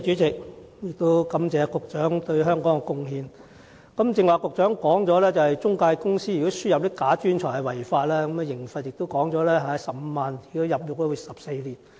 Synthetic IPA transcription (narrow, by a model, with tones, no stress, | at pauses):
t͡ʃyː˨˥t͡sɪ˨k̚ | jɪ˨k̚t̪o˥wkɐ˨˥mt͡sɛː˨˧kʊ˨k̚t͡ʃœː˨˥ŋt̪ɵ˧ɥɦœː˥ŋkɔː˨˥ŋɛ˧kʊ˥ŋhiː˧n | kɐ˨˥mt͡sɪ˧ŋwaː˨˧kʊ˨k̚t͡ʃœː˨˥ŋkɔː˨˥ŋt͡ʃɔː˨˥lɛː˥t͡sɐ˨whɐ˨jt͡sʊ˥ŋkaː˧jkʊ˥ŋsiː˥jːto˥sy˥jɐ˨p̚li˥kaː˨˥t͡ʃyː˥nt͡ʃʰɔː˨˩jhɐ˨wɐ˨˩jfaː˧t̚lɛː˥kɐ˨˦mɛ˧jɪ˨˩ŋfɐ˨t̚jɪ˨k̚t̪o˥wkɔː˨˥ŋt͡ʃɔː˨˥lɛː˥ɦaː˧˦sɐ˨p̚m̩ː˧maː˨nɪ˨˩k̚t̪o˥wjɐ˨p̚lʊ˨k̚t̪ɔ˦˥jy˨˩sɐ˨p̚se˧jliː˨˩n